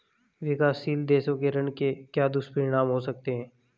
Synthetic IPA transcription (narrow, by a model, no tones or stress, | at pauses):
ʋɪkaːsiːld̪eːʃõkeɾɐnkekjaːd̪ʊspəɾɪɽ̃aːmɦosɐk̚t̪eɦɛ̃ː